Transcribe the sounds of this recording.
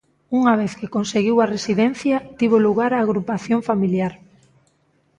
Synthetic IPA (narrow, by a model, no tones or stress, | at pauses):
uŋaβ̞eθkɪkonseɣiwɐresiðɛn̟θjat̪iβoluɣ̞aɾaːɣɾupaθjoɱfamiljaɾ